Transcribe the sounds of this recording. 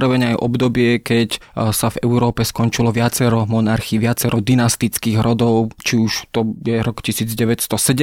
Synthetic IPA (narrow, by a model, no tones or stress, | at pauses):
ɾɔʋɛɲajʔɔbd̪ɔbɪɛkɛcsavɛʊɾɔːpɛskɔnt͡ʃilɔʋɪat͡sɛɾɔmɔnaɾxiːʋɪat͡sɛɾʔɔd̪inast̪it͡skiːɣɾɔd̪ɔʊt͡ʃiuʃt̪ɔjɛɾɔkcisiːd͡zɟɛʋɛcst̪ɔsɛɟɛ